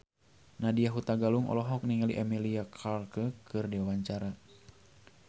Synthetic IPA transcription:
nadiaɦut̪aɡaluŋʔɔ̰lɔɦɔk̚niŋaliʔɛmiliakʰalkəkɨrdɛawaɲt͡ʃaɾa

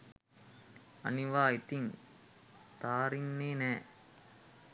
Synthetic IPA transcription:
ɐ̰niʋaːit̪iŋ | t̪aːɾinːeːnɛː

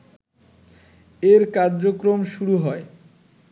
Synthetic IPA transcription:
eɾkaɾd͡ʑokɾomʃuɾuɦɔe

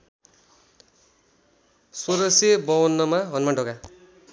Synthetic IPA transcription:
soɾʌsebʌwʌnːʌmaɦʌnmaɖʌka

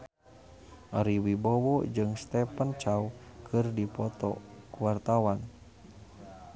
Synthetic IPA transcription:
ʔaɾiwibɔwɔd͡ʒɨŋst̪ɛpənt͡ʃaukʰɨrdipɔt̪ɔ̰kuwart̪awan

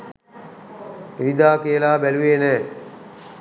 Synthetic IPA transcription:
ʋid̪aːkeəlaːbæluʋeːnɛː

